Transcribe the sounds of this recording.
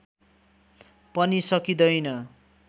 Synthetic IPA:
pʌnisʌkid̪ʌjnʌ

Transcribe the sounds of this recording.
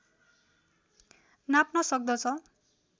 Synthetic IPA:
napnʌsʌk̚d̪ʌt͡sʰʌ

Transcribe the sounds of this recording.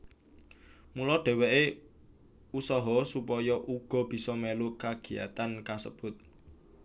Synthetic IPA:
mulɔɖ̪̥ɛ̤wɛʔe | usɔɦɔsupɔjɔʔuɡ̥ɔ̤b̥i̤sɔmelukaɡ̥i̤a̰t̪ankasəb̥ʊ̤t̪̚

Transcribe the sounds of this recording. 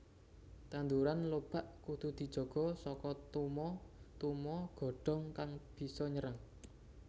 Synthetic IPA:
t̪and̪uɾanlob̥a̤ʔkud̪̥ud̪̥i̤d̥d͡ʒ̥ɔ̤ɡ̥ɔ̤sɔkɔt̪umɔt̪umɔɡ̥ɔ̤ɖ̥ɔ̤ŋkaŋb̥i̤sɔɲəɾəŋ

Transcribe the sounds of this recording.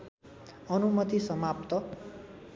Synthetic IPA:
ʌnumʌt̪isʌmapt̪ʌ

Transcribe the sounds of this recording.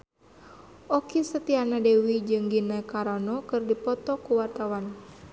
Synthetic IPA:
ʔɔkisət̪ianadewid͡ʒɨŋɡinakaɾɔnɔkɨrdipɔt̪ɔkuwart̪awan

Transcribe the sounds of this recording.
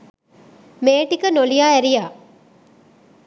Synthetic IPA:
meːʈikənolijaːɛɾijaː

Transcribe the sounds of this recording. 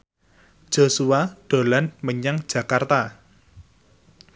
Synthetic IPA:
ʒ̥osuwaɖ̪̥o̤lanməɲaŋd̥ʒ̥ä̤kart̪a

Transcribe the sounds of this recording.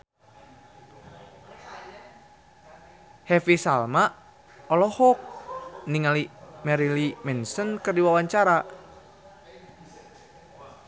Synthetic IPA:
hɛfisalmaʔ | ɔlɔhɔk̚niŋalimɛɾilimɛnsənkərdiwawaɲt͡ʃaɾa

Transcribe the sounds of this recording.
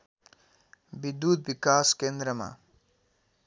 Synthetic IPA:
bid̪ut̪̚bikaskend̪ɾʌma̰

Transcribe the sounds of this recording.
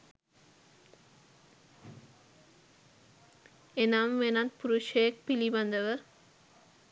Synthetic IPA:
enaːmʋenat̪̚puɾuʃejɐkpilibɐnd̪ɐʋə

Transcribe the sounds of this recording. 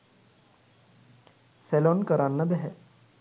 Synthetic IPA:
sɛlonkəɾanːəbɛɦɛ

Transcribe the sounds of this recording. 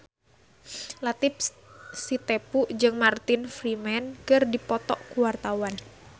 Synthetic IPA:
lat̪ɪp̚ | sit̪epuʔd͡ʒɨŋmart̪ɪnfrimɛnkɨrdipɔt̪ɔʔkuwart̪awan

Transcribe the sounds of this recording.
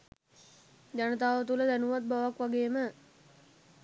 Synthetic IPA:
d͡ʒanət̪aːʋət̪̬uləd̪ænuʋat̪̚baʋakʋaɡeːmə

